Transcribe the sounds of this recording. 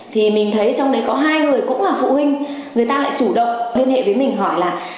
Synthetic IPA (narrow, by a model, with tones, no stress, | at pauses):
t̪ʰi˨˩mï˨˩ŋ̟t̪ʰə˨˦jt͡ɕɔ˧wŋ͡mɗə˨˦jkɔ˨˦ɦaː˧jŋɨ˨˩əjkʊ̰˧˥ŋ͡mlaː˨˩fṵ˧˨hwï˧ŋ̟ | ŋɨ˨˩əjt̪aː˧la̰ː˧˨jt͡ɕu˧˩ɗə̰˧˨wŋ͡mli˧ənhḛ˧˨və˨˦jmï˨˩ŋ̟ɦɔ˧˩jlaː˨˩